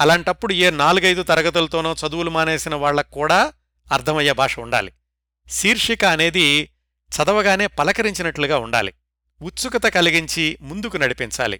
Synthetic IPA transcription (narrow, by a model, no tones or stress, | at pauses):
ɐlaːɳʈɐpːuɽueːnaːluɡɐjd̪ut̪ɐɾɐɡɐt̪̬ulɐt̪o̞ːnoːt͡ʃɐd̪uwulumaːne̞ːsinɐʋaːɭːɐkːuːɽaː | ɐɾt̪ʰɐmɐjːɐbʱaːʂɐuɳɖa̰ːli | siːɾʂikɐːne̞ːd̪i | t͡ʃɐd̪ɐʋɐɡaːne̞ːpɐlɐkɐɾiɲt͡ʃinɐʈluɡaːuɳɖa̰ːlḭ | ut̪sukɐt̪ɐkɐliɡiɲt͡ʃimund̪ukunɐɽipiɲt͡ʃa̰ːlḭ